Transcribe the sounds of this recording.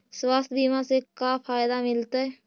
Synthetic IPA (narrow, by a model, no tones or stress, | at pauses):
swaːst̪ʰbimãsekafʰaːjd̪amɪlt̪aɦɛ